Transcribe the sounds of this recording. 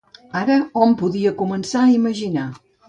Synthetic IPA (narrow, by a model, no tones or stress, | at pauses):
aɾəɔmpuðiəkumənsaiməʒina